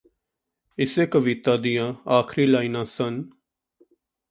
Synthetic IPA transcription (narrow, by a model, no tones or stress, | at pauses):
ɪseːkəʋɪːt̪aːd̪ijãːaːkʰɾiːlaːiːnãːsən